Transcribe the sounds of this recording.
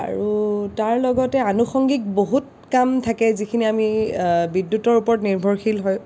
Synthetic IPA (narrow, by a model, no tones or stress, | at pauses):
a̰ɹutaɹlɔɡɔtɛanuxɔŋɡik̚boɦut̚ | kamtʰakɛzikʰiniamibidːutɔɹupɔɹɔtniɹbʱɔɹxilɦɔj